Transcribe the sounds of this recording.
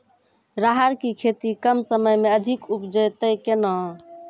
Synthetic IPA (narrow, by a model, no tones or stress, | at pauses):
ɾaɦaɾkikʰet̪ikəmsəməjmeəd̪ʱikupd͡ʒəjt̪əjkenɔ